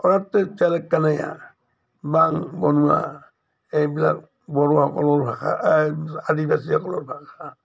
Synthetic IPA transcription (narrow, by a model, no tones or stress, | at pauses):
ɔɾatːɛt͡ʃalɛkːanaja̰ | baŋbɔnua̰ | ɛbila | bɔɾɔakɔlɔɾhaka̰ʔadibasiakɔlɔɾhaka